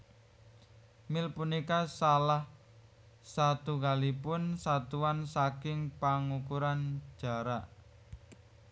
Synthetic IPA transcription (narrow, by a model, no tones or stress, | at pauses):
mɪlpunikasalah | sat̪ukalipʊnsat̪uansakɪŋpaŋukuɾan̥ʒ̥a̤ɾaʔ